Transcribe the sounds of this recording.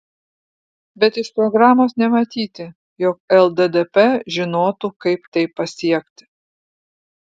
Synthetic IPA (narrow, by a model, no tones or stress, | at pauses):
bʲɛt̪ɪʃpɾɔɡɾɑːmoːsnʲɛmɐt̪ʲiːt̪ʲɪ | jɔkɛlˠd̪ɛd̪ɛpɛʒʲɪnoːt̪uːkɐɪpt̪ɐɪpːɐsʲiɛkt̪ʲɪ̥